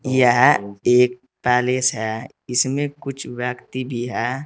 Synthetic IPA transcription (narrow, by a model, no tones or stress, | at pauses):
jeɦɛeːk̚ | pɛːlesɦɛ | ɪsmẽkʊt͡ʃʰwjəkt̪ibʱiɦɛː